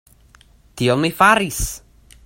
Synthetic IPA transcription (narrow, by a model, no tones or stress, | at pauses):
d̥iɔlˠmefaɾis